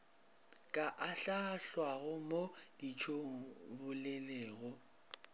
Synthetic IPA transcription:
kʼaʔaɬaɬwaɣʊmod̥it͡ʃʰoŋ̩bʊlɛleːɣʊ

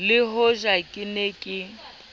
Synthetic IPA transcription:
lɪɦoʒakʼɪneːkʼɪ

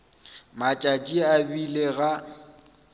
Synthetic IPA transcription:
mat͡ʃʼat͡ʃʼiabileɣa

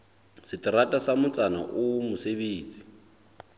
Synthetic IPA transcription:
sɪtʼiɾatʼasamʊt͡sʼana̰ʔumʊseβeːt͡sʼi̥

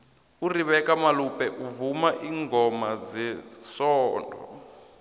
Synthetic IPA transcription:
uriβɛkamalupɛʔuvumaʔiŋɡɔmad͡zɛsɔːndʱɔ

